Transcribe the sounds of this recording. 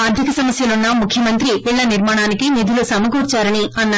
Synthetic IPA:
ɐɾd̪ʱikɐsɐmɐsjɐlunːɐmukʰjɐmɐnt̪ɾipiɭːɐniɾmaːɳaːnikinid̪ʱulusɐmɐɡuːɾt͡ʃaːɾɐniɐnːɐ

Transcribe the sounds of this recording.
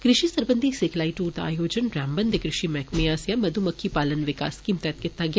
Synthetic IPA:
kɾɪʃisɐɾbə̃nd̪ʱiseːkʰlaːiʈuːɾt̪a̰ːjoːd͡ʒənɾaːmbə̃nd̪ʱekɾɪʃimɛkʰmejaːsjamɐd̪ʱumɐkʰːipaːlənʋɪka̰ːskimt̪ɛt̪̚kɪt̪ːaɡja

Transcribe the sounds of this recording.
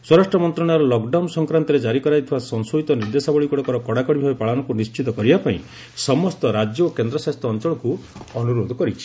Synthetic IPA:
swɔɾasʈɾɔmɔnt̪ɾɔɽ̃aɾɔlɔkɖawnsɔŋkɾant̪ɔɾed͡ʒaɾikɔɾajt̪ʰibasɔnsoit̪ɔniɾd̪esabɔɭikɔɽɔkɔɾɔkɔɽakɔɽibʱabipaɭanɔkunist͡ʃit̪ɔkɔɾibapaĩ | sɔmɔst̪ɔɾad͡ʒjɔokend̪ɾɔsast̪ʰɔːnt͡ʃɔɭɔkuɔnuɾod̪ʱɔkɔɾit͡ʃʰi̥

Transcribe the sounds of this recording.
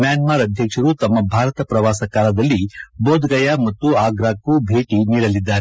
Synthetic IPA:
mjaːnmaːɾɐd̪ʱjɐkʂɐɾut̪ɐmːɐbʱaːɾɐt̪ɐpɾɐʋaːsɐkaːlɐd̪ɐlːiboːd̪ɡɐjamɐt̪ːuaːɡɾaːkːubʱe̞ːʈiniːɽɐlid̪ːaːɾe

